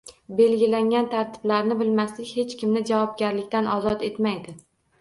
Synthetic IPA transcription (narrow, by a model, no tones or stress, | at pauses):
be̞lɡʲɪlaŋʲant̪ʰaɾt̪ʰɪ̥blaɾnɪbɪlmaslɪkʲhe̞t͡ʃkʲɪmnɪd͡ʒavɒb̚ɡʲaɾlɪkʲt̪anʔɒzɒt̪e̞t̪majd̪ɪ